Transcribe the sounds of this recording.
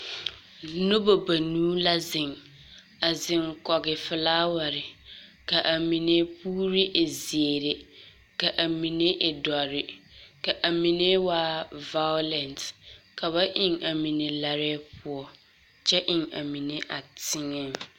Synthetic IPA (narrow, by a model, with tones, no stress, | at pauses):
no˦bo˨ba˨nuː˦la˦zɪ˨ŋ | a˨zɪ˨ŋkɔ˨ɡɪ˨fɪ˨laː˦wa˨ɾɪ˨ka˨ʔa˨mi˨ne˦puː˦ɾi˦ʔe˨zi˨e˨ɾe˨ | ka˨ʔa˨mi˨ne˦ʔɪ˨dɔ˨ɾɪ˨ka˨ʔa˨mi˨ne˦waː˦va˦jo˦lɛ˨ntka˨βa˦ʔɪ˨ŋa˨mi˨ne˨la˨ɾɛ˦pʰʊ˨ɔ˦ | t͡ʃɛ˦ʔɪ˨ŋa̰˨mi˨ne˦ʔa̰˨tʰɪ˦ŋɛ˦˨ŋ